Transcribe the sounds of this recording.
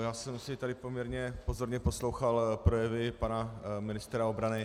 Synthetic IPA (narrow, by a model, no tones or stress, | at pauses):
jaːsɛmsɪt̪adɪpomɲɛɾɲɛpozo̞ɾɲɛpo̞slo̞wxalpɾojɛvɪpanamɪnɪst̪ɾaobɾanɪ